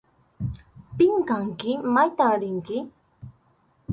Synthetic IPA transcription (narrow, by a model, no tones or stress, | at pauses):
pɪŋkaŋkɪmajt̪aɾɪŋkɪ